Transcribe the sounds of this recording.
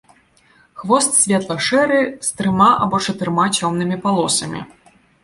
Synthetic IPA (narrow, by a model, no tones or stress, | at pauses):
xvɔst̪sʲvʲɛt̪lˠɐʂɛɾɨst̪ɾɨmaʔa̰bɔt͡ʂɐt̪ɨɾmat͡sʲɔmnɨmʲipalˠɔsɐmʲḭ